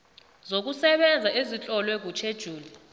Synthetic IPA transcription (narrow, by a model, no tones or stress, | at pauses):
zok̬usɛɓɛnd͡zʱaʔezit͡ɬʼɔlwɛk̬ut͡ʃʰed̥ʒ̥ʱuːli